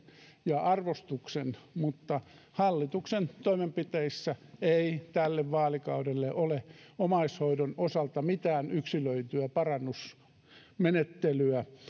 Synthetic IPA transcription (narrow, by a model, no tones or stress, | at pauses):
jɑɑrʋost̪uksenmut̪ːɑ | hɑlːit̪uksent̪oimempit̪eisːæeit̪ælːeʋʋɑːlikɑudelːeʔoleomɑishoidonosɑlt̪ɑmit̪æːnyksiløyt̪yæpɑrɑnːus | menet̪ːelyæ